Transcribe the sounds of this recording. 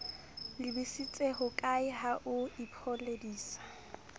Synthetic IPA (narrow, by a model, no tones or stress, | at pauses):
lɪbisit͡sʼeɦʊkʼaɪɦaʔʊipʰɔlediːsḁ